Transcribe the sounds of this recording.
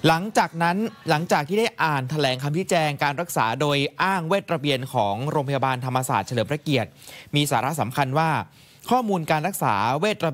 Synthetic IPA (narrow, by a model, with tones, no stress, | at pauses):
la˩˦ŋt͡ɕaː˨˩k̚na˦˥nla˩˦ŋt͡ɕaː˨˩k̚t̪ʰiː˥˩da˥˩jʔaː˨˩nt̪ʰa˧lɛː˩˦ŋkʰa˧mt͡ɕʰi˦˥t͡ɕɛː˧ŋkaː˧nɾa˦˥k̚saː˩˦doː˧jʔaː˥˩ŋweː˥˩t̪̚ɾa˧bi˧ənkʰɔː˩˦ŋɾoː˧ŋpʰa˧ja˧baː˧nt̪ʰa˧mːa˧sa̰ː˨˩t̪̚t͡ɕʰlɤː˩˦pʰɾa˧ki˨˩ət̪̚miː˧saː˩˦ɾa˦˥sa˩˦mkʰa˧nwaː˥˩ | kʰɔː˥˩muː˧nkaː˧nɾa˦˥k̚sa̰ː˩˦weː˥˩t̪̚ɾa˧